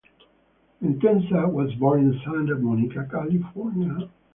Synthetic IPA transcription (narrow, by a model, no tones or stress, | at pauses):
ɨ̃ntɛ̃nsawʌzbɔɹɪ̃nsãndəvmɔnikəkælifɔɹnjə